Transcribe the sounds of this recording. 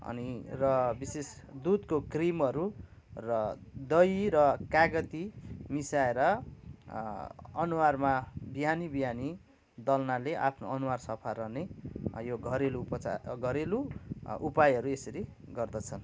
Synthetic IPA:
ʌ̰nirʌbises | d̪ud̪kokrimʌɾu | rʌd̪ʌjɾʌkaɡʌt̪imisaeɾʌ | ʌnuwarmabiɦanibiɦani | d̪ʌlnaleʔa̰pʰnoʌnuwarsʌpʰarʌnejoɡʱʌɾeluːpʌt͡sa̰ɡʱʌɾeluupajɦʌɾuesʌɾiɡʌrd̪ʌt͡sʰʌn

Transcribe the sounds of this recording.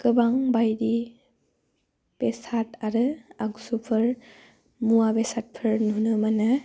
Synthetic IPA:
kɯbaŋbajdi | b̥esatʰaɾɯaksupʰɯɹ | muwabesat̚pʰɯɹnɦunɯmana

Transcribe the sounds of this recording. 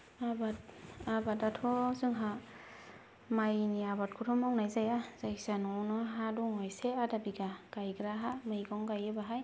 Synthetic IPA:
abatabatatʰɔzɯŋɦa | majniabat̚kʰuɾʰɔmawnajzajaz̥aisanɔwnɯɦadɔŋɔjseadabiɡaɡ̥ajɡɾaɦamajɡɔŋɡajɯbaɦaj

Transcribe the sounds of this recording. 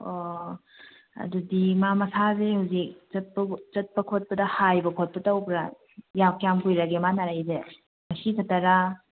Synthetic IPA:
o | ɐ̰dudimamɐsʰazehuzik̚t͡ʃɐt̚pɐt͡ʃɐt̚pɐkʰot̚pɐdɐhajbɐkʰot̚pɐtɐwpɾa | jakjamkujɾaɡemanaɾajze | mɐsitʰɐtːɐɾa

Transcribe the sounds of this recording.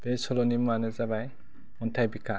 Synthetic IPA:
b̥esɔlɔnimɔanɯzabaj | ɔntʰajbikʰa

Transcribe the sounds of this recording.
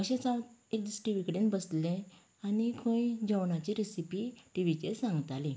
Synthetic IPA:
əɕẽt͡saek̚d̪isʈiʋikɽenbəslẽ | anikʰõid͡ʑəʋnat͡ɕeɾesipiʈiʋit͡ɕesãŋɡət̪alẽ

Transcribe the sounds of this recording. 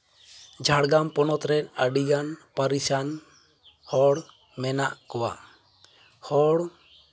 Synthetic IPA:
d͡ʒʱaɽɡampɔnɔt̪ɾɛt̪̚əɖiɡanpaɾisan | hɔɽ | mɛnaʔkɔwa̰ | hɔɽ

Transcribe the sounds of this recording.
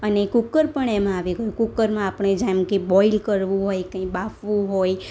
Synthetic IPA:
ənekukːəɾpəɳ̃emãaʋiɡəjukukːəɾmãapəɳ̃ed͡ʒamkibɔilkəɾʋũɦojkə̃ĩbafʋũɦoj

